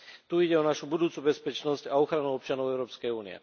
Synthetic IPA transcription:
t̪uiɟɛɔnaʃubud̪uːt͡subɛspɛt͡ʃnɔscaɔxɾanuɔp̚t͡ʃanɔʊɛʊɾɔːpskɛjuːnḭɛ̰

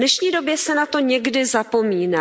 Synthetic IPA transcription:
nɛʃɲiːdo̞bjɛsɛnat̪o̞ɲɛɡdɪzapo̞miːna

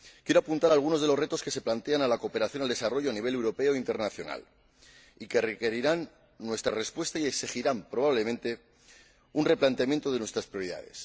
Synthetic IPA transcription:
kje̞ɾo̞apunt̪aɾalɣ̞unoðe̞lo̞sre̞t̪o̞skese̞plant̪e̞analako̞peɾaθjo̞nald̪e̞saro̞ʝoaniβe̞le̞wɾo̞pe̞oint̪e̞ɾnaθjo̞̰na̰l | ike̞reke̞ɾiɾanː | we̞st̪ɾa̰re̞spwe̞st̪aie̞ksixiɾampɾo̞βaβ̞le̞mẽnt̪e̞ | unre̞plant̪eamjent̪o̞ð̞e̞nwest̪ɾaspɾjo̞ɾiða̰ðe̞̰s

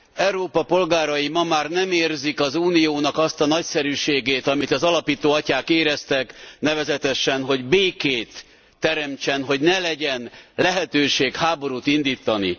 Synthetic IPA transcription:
ɛuɾoːpɒpo̞lɡaːɾɒjimɒmaːrnɛmeːrzikɒzuːnijoːnɒkɒst̪ɒnɒcsɛɾyːʃeːɡeːt̪ɒmit̪ɒzɒlɒpiːt̪oːɒcaːkeːɾɛst̪ɛknɛvɛzɛt̪ɛʃɛnɦo̞ɟbeːkeːt̪ː | ɛɾɛmt͡ʃɛnɦo̞ɟnɛlɛɟɛnlɛɦɛt̪øːʃeːkhaːbo̞ɾuːt̪ind̪iːt̪ːɒnḭ

